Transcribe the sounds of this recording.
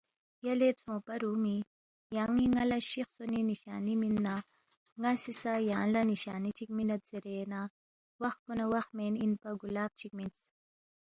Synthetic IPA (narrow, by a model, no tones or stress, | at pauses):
jɐlet͡sʰõːpɐɾuːmi | jaŋiŋɐlaʃixsoniniʃa̰ːniminːa | ŋɐsisajaːnlaniʃaːnit͡ʃʰik̚minɐt̪̚z̥iɾeːna | wɐxponɐwɐxmeːninpɐɡulaːb̚t͡ʃʰik̚mint͡s